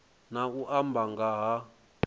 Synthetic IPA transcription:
nauʔambʱaŋɡaɦa

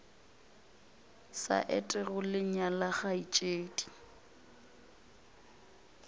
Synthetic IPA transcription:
sa̰ʔɛtʼɪɣʊlɪɲalaχait͡ʃʼeːdʼi̥

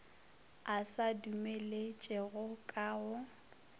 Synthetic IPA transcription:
asadumelet͡ʃʼɛɣʊkʼaːʊ

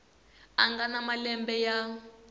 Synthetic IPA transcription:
aŋɡanamalɛmbɛja

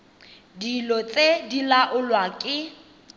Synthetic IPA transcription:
dilɔt͡sʼedilaʔʊlwakʼɪ

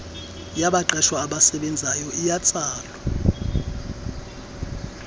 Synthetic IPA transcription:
jaɓaǃɛʃwaːɓasɛɓɛnd͡zʱajɔʔijat͡sʼaːlwa

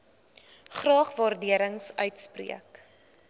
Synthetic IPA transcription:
χrɑːχvɑːrdiəɾəŋsœɥtsprḭək

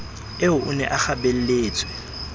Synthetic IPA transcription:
eʊʔʊnɛʔaχabel̩leːt͡sʼwɪ

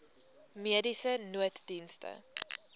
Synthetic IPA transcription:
miədisənuətdinstə̰

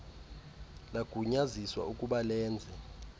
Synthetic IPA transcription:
laɡ̥ʱuɲaziswa̰ukʼuɓalɛːnd͡zʱɛ

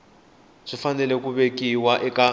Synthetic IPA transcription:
ʂifanɛlɛkuβekʼiwaʔɛkʼa

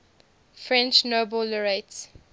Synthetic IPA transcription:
fɹɛ̃nt͡ʃnobəlɹets

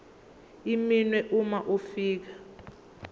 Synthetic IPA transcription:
iminwɛʔumaʔufiːk̬ḁ

